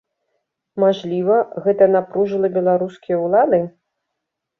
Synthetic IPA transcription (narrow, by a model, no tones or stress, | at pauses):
maʐlʲivɐɣɛt̪ɐnapɾuʐɨlˠɐbʲɛlˠaɾuskʲijɐwlˠad̪ɨ